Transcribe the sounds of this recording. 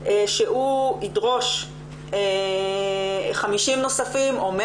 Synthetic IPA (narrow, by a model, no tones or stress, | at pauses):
eʃeʔuidʁo̞ʃ | e | χamiʃimno̞safimome